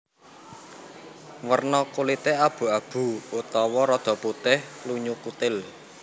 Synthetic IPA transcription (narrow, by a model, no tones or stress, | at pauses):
wərnɔkulit̪eab̥ṳab̥ṳut̪ɔwɔɾɔd̪̥ɔ̤put̪ɪhluɲukut̪ɪl